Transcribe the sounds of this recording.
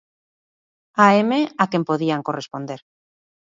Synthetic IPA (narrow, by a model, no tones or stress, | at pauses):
aemeakempoðiaŋkorespõ̞nd̪eɾ